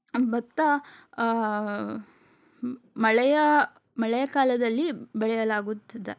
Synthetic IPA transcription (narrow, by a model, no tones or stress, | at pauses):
bɐt̪ːɐ | mɐɭɛjɐ | mɐɭɛjɐkaːlɐd̪ɐlːibɛɭɛjɐlaːɡut̪ːɐd̪e